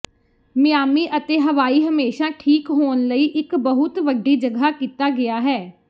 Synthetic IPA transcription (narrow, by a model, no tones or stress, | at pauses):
mɪjaːmiːʔət̪eːɦəʋaːiːɦəmeːʃaːʈʰiːkɦoːnləiːʔɪkbəɦʊt̪ʋəɖːiːd͡ʒəɡaːkiːt̪aːɡɪaːɦɛː